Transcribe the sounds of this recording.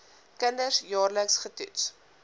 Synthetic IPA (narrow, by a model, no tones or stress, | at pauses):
kəndərsjɑːrləksχəty̰ts